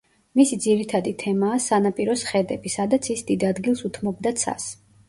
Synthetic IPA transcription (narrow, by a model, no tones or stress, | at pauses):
misid̪ziɾit̪ʰad̪it̪ʰɛmaːsanapʼiɾɔsχɛd̪ɛbisad̪at̪sʰisd̪id̪ad̪ɡilˠsut̪ʰmɔbd̪at̪sʰa̰s